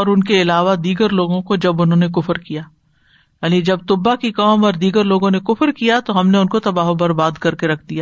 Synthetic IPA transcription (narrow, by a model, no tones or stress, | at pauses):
ɔːɾʊnkeɪlaːʋad̪iːɡəɾloːɡõkod͡ʒɐbʊnɦõnekʊfɾkijaː | jaːnid͡ʒɐb̚t̪ʊbːakikaːmɔːɾd̪iːɡəɾloːɡõnekʊfɾkijat̪oɦɐmneʊnkot̪ɐbaːɦobɐɾbaːd̪kɐɾkeɾɐkʰd̪ijaː